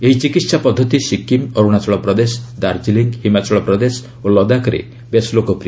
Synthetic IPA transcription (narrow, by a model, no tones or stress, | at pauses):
eɦit͡ʃikit̪sapɔd̪ʱːɔt̪isikːimɔɾuɽ̃at͡ʃɔɭɔpɾɔd̪esd̪aɾd͡ʒiliŋɡhimat͡ʃɔɭɔpɾɔd̪es | olɔd̪akɔɾḛ | beslokopɾi